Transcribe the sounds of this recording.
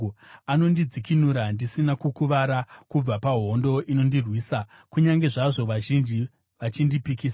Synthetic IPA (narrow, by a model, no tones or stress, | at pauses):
ano̞ndid͡zikinuɾandisinakukuʋaɾakub͡vapaɦo̞ndo̞ʔino̞ndirwiːsa | kuɲaŋɡe̞ʐaʐo̞ʋaʒind͡ʒi | ʋat͡ʃindipikiːsa